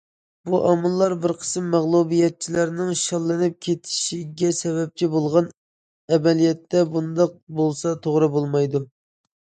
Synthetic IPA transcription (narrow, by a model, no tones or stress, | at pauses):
b̥uʔɑmɨlˠːɑɾbɪɾqʰə̥sɨmːæʁlˠubijɛt̪̚t͡ʃʰilæɾnɪŋʃɑlˠːɨnɨp̚kʲʰet̪ʰɪ̥ʃiɡʲɛsɛbɛp̚t͡ʃʰibolˠʁɑn | ɛbɛlijɛt̪ːɛbund̪ɑq̚bolˠsɑt̪ʰoʁɾɨbolˠmɑjd̪u